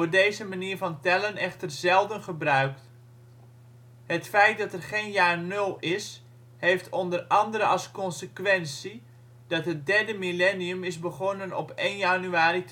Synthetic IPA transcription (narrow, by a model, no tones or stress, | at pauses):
oːɹdejzəmaniːɹvɑntɛlənɛχtərzɛlˠdənχəbrœɥkt | ɦətfɛjt̚dɑtɛrχejnjaːrnɵlˠɪs | hejftʰɔndərɑndəɾəʔɑlˠskɔnsəkʋɛnsi | d̥ɑtɦət̚dɛɹdəmilɛniəmɪzbəχɔnənɔ̰pejnjanyaːrit